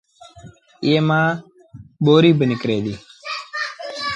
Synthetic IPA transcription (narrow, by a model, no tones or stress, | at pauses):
eːmãː | ɓoːɾiːbənɪkɾeːd̪iː